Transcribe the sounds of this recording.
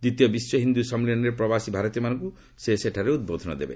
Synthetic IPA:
d̪it̪jɔbiswɔɦind̪usʌmlinɔɾepɾɔbasibʱaɾɔt̪ijɔmanɔŋku | seseʈʰaɾeud̪̚bod̪ʱɔnɔ̰d̪ḛbḛ

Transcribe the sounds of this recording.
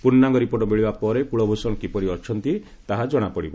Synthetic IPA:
punːaŋɡɔɾipoʈɔbeɭibapɔɾepuɭɔbʱosɔŋɔkipɔɾiɔt͡ʃʰɔnt̪i | t̪aɦad͡ʒɔɽ̃apɔɽibɔ

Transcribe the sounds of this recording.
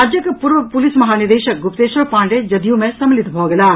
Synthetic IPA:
aːd͡ʒjɐkɐpuɾʋɐpulismɐɦaːniɾd̪eːʃɐk̚ɡupt̪eːʃɐɾpãːɳɖed͡ʒɐd̪jumẽsɐmlit̪bʱɔːɡɐlaː

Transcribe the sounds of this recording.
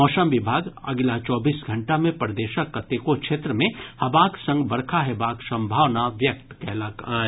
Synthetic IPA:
ɔːʃəmʋɪbʱaːɡɐ̰ɡlat͡ʃɔːbiːsɡʱɐ̃ɳʈamẽpɾd̪eːʃəkːət̪ekokʃʰeːt̪ɾəmẽhɐbaːksɐ̃ŋɡbɐɾkʰaɦebaːksɐ̃mbʱaːʋnaʋjɐk̚t̪kɛːlakaː

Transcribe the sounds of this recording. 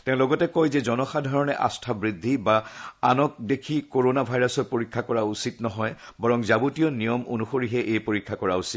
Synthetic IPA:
tɛ̃ʊ̃lɔɡɔtɛkojzɛzɔnɔxadʱaɹɔnɛʔa̰stʰabɹidʱːibaanɔk̚dekʰikoɹonabʱajɹasɔt̚poɹikʰːakɔɹausitnɔɦɔjbɔɹɔŋzabutijɔnijɔmo̰nuxoɹiɦɛʔejpoɹikʰːakɔɹausit

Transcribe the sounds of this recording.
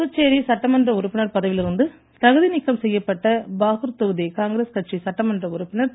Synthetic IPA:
ɯt͡ʃːeːɾisɐʈːɐmɐndrɐʊɾɯpːɪnɐɾpɐðɐʋɪlɪɾɯnd̪ɯ | t̪ɐɣɯðinɪkːɐmsɛjːɐpːɐʈːɐbaːɣɯɾt̪oɣɯðekaːŋɡɾeːskɐʈ̚t͡ʃisɐʈːɐmɐndrɐʊɾʊpːɪnɐɾ

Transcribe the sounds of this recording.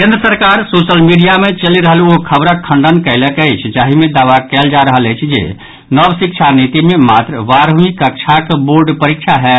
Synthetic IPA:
kẽnd̪ɾəsəɾkaɾsosəlmiɖijamet͡ʃəliɾəɦəluokʰəbɾəkʰəɳɖənkəɪləkəɪt͡ʃʰd͡ʒaɦimed̪aʋakɛld͡ʒaɾəɦəlɛt͡ʃʰd͡ʒḛ | nəbsik̚t͡ʃʰanit̪imemat̪ɾəʋaɾɦmikək̚t͡ʃʰakboɾɖpəɾik̚t͡ʃʰaɦɛ

